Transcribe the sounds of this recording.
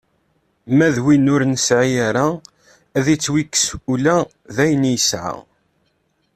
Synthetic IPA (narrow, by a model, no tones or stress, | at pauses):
mæðwinʊɾnsʕiaɾa | æðit͡sːwikːə̥sulæ | ðæjənjəsʕa̰